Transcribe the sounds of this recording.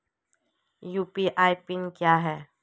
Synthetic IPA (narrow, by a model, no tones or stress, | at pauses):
juːpiʔaːɪpɪnkjaːɦɛː